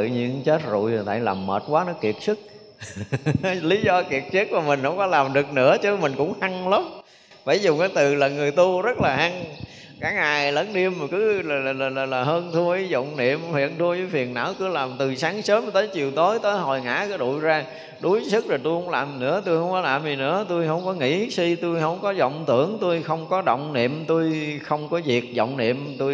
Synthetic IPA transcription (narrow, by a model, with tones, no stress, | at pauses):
ɨ̰˧˨ɲɨ̰˧˥ŋt͡ɕe˦˥t̚zṵ˧˨jt̪ʰa̰ː˧jlaː˨˩mːəː˨˩t̚kwaː˨˦nɔ˨˦ki˨˩ət̚sɨ˦˥k̚ | li˨˦zɔ˧ki˨˩ət̚sɨ˦˥k̚maː˨˩mï˨˩ŋ̟hə̰˧˥wŋ͡mkɔ˨˦laː˨˩mɗɨ˨˩ək̚nɨ̰˧˥ət͡ɕɨ˨˦mï˨˩ŋ̟kʊ̰˧˥ŋ͡mha˧ŋlaə˨˦wŋ͡m | faː˧˩˦jzʊ˨˩ŋ͡maː˨˦jt̪ɨ˨˩ləː˨˩nŋɨ˨˩əjt̪u˧zə˦˥t̚laː˨˩ʔa˧ŋ | kaː˨˦aː˨˩jləː˨˦nɗi˧əmːa˨˩kɨ˨˦lːlaː˨˩laː˨˩laː˨˩laː˨˩ɦəː˧nt̪ʰu˧əʔi˨˦zɔ̰˧˨wŋ͡mnḭ˧˨əmfḭ˧˨ənt̪ʰu˧əzəː˨˦fi˨˩ənna̰ː˧˥wkɨ˨˧˦əlaː˨˩mt̪ɨ˨˩saː˨˦ŋsəː˨˦m˨˩t̪əː˨˦jt͡ɕḭ˨əwt̪o˨˦jt̪əː˨˦jɦɔ˨˩jŋa̰ː˧˥kəː˨˦ɗṵ˧˨jzaː˧ | ɗu˨˦jsɨ˦˥k̚zoː˨˩t̪u˧jhə˧˦wŋ͡mlaː˨˩mnɨ̰˧˥ət̪u˧jhə˧wŋ͡mkɔ˨˦laː˨˩mzi˨˩nɨ̰˧˥ət̪u˧jɦə˧wŋ͡mkɔ˨˦ŋḭ˧˥si˧t̪u˧jɦə˧˩wŋ͡mkɔ˨˦zɔ̰˧˨wŋ͡mt̪ɨ̰˧˩əŋt̪u˧jxə˧wŋ͡mkɔ˨˦ɗɔ̰˧˨wŋ͡mnḭ˧˨əmt̪u˧jxə˧wŋ͡mkɔ˨˦vi˨˩ək̚zɔ̰˧˨wŋ͡mnḭ˧˨əmt̪u˧